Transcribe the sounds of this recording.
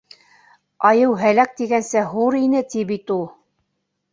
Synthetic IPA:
ɑjɤwɦælæk̚t̪iɡænsæɦuɾinɘt̪ibit̪ulˠ

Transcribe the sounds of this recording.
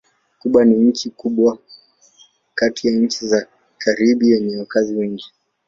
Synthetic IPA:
kuɓwaniɲ̩t͡ʃikuɓwa | katijaɲ̩t͡ʃiza | kʰaɾiɓiɛɲɛwakaziwɛŋɡi

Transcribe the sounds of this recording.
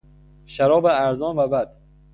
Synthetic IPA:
ʃaɾɔːbaːɾzɔnbabad̪

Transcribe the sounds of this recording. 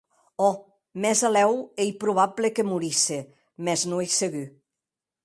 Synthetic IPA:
ɔ | mɛzalɛwejpɾuβ̞ablekemuɾise | mɛznuejseɣy

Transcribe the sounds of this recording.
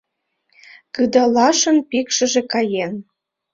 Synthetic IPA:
kɯd̪ɑlɑʃə̆npikʃə̆ʒĕkɑjen

